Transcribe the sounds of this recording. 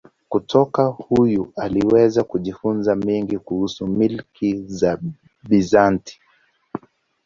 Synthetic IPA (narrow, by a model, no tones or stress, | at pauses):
kutʰɔkahujualiwɛzakuʄifunzamɛŋɡikuhusumilkiza | ɓizanti̥